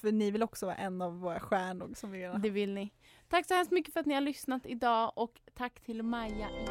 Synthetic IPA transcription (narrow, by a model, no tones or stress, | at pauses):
fœnɪvɪlɔksɔvɑ̰ːaʔɛnːavːoːɾaɧæːɳɖɔɡsɔmvɪmeːd̪d̪ɛvɪlnɪ | t̪ʰakːsɔhɛmst̪mʏkːəfœɾat̪̚nɪhaɭʏsnat̪ɪd̪ɑːʔɔkt̪ʰakːt̪ʰɪlmajːa